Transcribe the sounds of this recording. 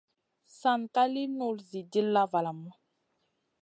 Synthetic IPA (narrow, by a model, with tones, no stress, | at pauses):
sa˦˨nka˦li˦nu˦˨lzi˨di˦lːa˦va˨la˨mɔ˦